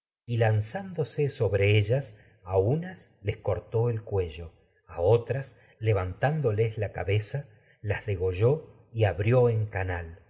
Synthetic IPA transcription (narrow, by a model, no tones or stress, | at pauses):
ilansand̪o̞seso̞βɾe̞eʒas | aunasle̞sko̞ɾt̪o̞elkwe̞ʒo̞ | ao̞t̪ɾas | le̞βant̪and̪o̞leslaka̰βe̞sa | lazðe̞ɣo̞ʒo̞ | iaβɾjo̞eŋkanal